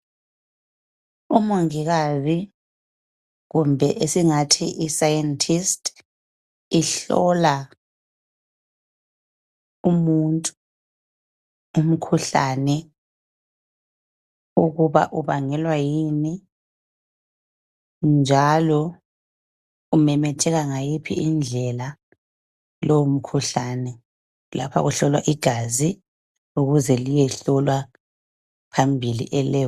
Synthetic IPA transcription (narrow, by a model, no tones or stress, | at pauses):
umoŋiɣazi | ɣumbʱɛʔesiŋatʰiʔisajɛntʰistʰʼ | iɬɔ̰la | umuntʼu | um̩kʰuɬanɛ | uɣuβa̰ʔuβaŋɛlwajini | nd͡ʒʱalɔ | umɛmɛtʰɛɣaŋajipʰḭind͡ɮʱɛla | lɔwom̩kʰuɬanɛ | la̰pʰa̰ɣuɬɔlwa̰ʔiɡ̥ʱazi | uɣuzɛlijɛɬɔlwa | pʰambʱilḭʔɛlɛː